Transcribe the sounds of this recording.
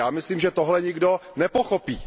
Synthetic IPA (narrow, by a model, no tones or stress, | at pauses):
aːmɪsliːmʒɛt̪oɦlɛɲɪɡdonɛpoxopiː